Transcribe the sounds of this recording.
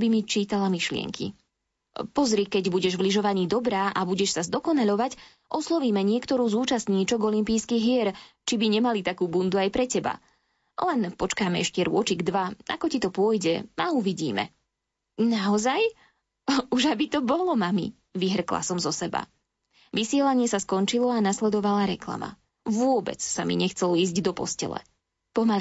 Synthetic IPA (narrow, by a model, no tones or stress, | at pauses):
bimit͡ʃiːt̪alamiʃlɪɛ̰ŋkʰḭ | pɔzɾikɛɟbuɟɛʒvliʒɔʋaɲiːd̪ɔbɾaːʔabuɟɛʃsazd̪ɔkɔnaʎɔʋac | ʔɔslɔʋiːmɛɲɪɛkt̪ɔɾuːzuːt͡ʃast̪ɲiːt͡ʃɔɡɔlimpiːskiɦɪɛɾt͡ʃibiɲɛmalit̪akuːbund̪uajpɾɛcɛba̰ | lɛnpɔt͡ʃkaːmɛɛʃcɛɾʊɔt͡ʃiɡd̪ʋaa̰kɔcit̪ɔpʊɔjɟɛauʋiɟḭːmɛ̰ | naɔzaj | uʒabit̪ɔbɔlɔmamḭ | ʋiɦr̩kla̰sɔmzɔsɛba̰ | ʋisɪɛlaɲɪɛsaskɔnt͡ʃilɔanaslɛd̪ɔʋalaɾɛkla̰ma̰ | ʋʊɔbɛ̰t͡ssamḭɲɛxt͡sɛliːzɟd̪ɔpɔ̰scɛ̰lɛ̰ | pɔmal